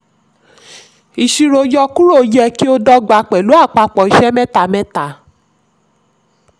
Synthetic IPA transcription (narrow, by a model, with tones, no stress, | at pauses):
i˨ʃi˧ɾo˧d͡ʒɔ˧ku˦ɾo˦˨˦jɛ˦˧ki˦o˦dɔ˦ɡ͡ba˧k͡pɛ˨lu˨˦a˦˨k͡pa˧k͡pɔ˨i˨ʃɛ˦mɛ̃˦ta˧˨mɛ̃˦ta˨